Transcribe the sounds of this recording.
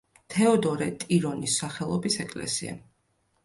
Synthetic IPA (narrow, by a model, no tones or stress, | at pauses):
t̪ʰɛɔd̪ɔɾɛt̪ʼiɾɔnisaχɛlˠɔbisɛkʼlɛ̰sia̰